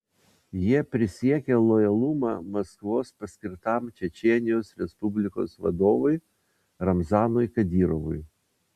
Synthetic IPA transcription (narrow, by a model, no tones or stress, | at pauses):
jiɛpʲɾʲɪsʲiɛkʲɛlˠɔjɐlˠumɑ̰mɐskʋoːspɐsʲkʲɪɾt̪ɑˑmt͡ʃʲɛt͡ʃʲɛɛnʲɪjoːsɾʲɛspʊbʲlʲɪko̰ːsʋɐ̰d̪oːʋʊj | ɾɐmzɑːnɔjkɐd̪ʲiːɾɔʋʊj